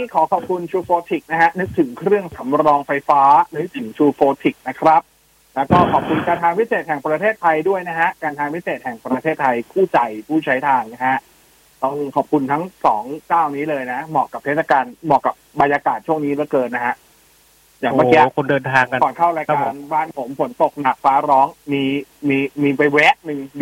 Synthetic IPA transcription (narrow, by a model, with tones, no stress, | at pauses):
i˦˥˩kʰɔː˩˦kʰɔː˨˩p̚kʰu˧nt͡ɕʰuː˧foː˧t̪ʰi˨˩k̚na˦˥kʰa˦˥nɯ˦˥k̚t̪ʰɯ˩˦ŋkʰɾɯ˥˩əŋsa˩˦mɾɔː˧ŋfa˧jfaː˦˥nɯ˦˥k̚t̪ʰɯ˩˦ŋt͡ɕʰuː˧foː˧t̪ʰi˨˩k̚na˦˥kʰɾa˦˥p̚ | lɛː˦˥wkɔː˥˩kʰɔː˨˩p̚kʰu˧nkaː˧nt̪ʰaː˧ŋpʰi˦˥seː˨˩t̪̚hɛ˨˩ŋpɾa˧eː˥˩t̪ʰːa˧jdu˥˩əjna˦˥kʰa˦˥ʔkaː˧nt̪ʰaː˧ŋpʰi˦˥seː˨˩t̪̚hɛ˨˩ŋpɾa˧t̪ʰeː˥˩t̪ʰːa˧jpʰuː˥˩t͡ɕa˧jpʰuː˥˩t͡ɕʰa˦˥jt̪ʰaː˧ŋna˦˥kʰa˦˥ | t̪ɔː˥˩ŋkʰɔː˨˩p̚kʰu˧nt̪ʰa˦˥ŋsɔː˩˦ŋkaː˥˩wniː˦˥lɤː˧jna˦˥mɔː˨˩kːa˨˩p̚t̪ʰeː˥˩sa˧kaː˧nmɔː˨˩kːa˨˩p̚ba˧njaː˧kaː˨˩t̪̚t͡ɕʰu˥˩əŋniː˦˥ɾɯ˥˩jkɤː˧nːa˦˥kʰa˦˥ʔ | jaː˨˩ŋma˧ki˧˦kʰo˧ndɤː˧nt̪ʰaː˧ŋka˧kɔː˨˩nkʰa˥˩wɾa˧˥jka˧nbaː˥˩npʰo˩˦mfo˩˦nt̪o˨˩k̚na˨˩k̚faː˦˥ɾɔː˦˥ŋmiː˧miː˧miː˧pa˧jwɛː˦˥ʔ̚nɯ˨˩ŋ